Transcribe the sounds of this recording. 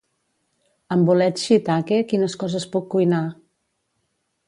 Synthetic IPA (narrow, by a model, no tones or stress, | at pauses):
əmbulɛt̪ʃit̪akekinəskɔzəspukːujna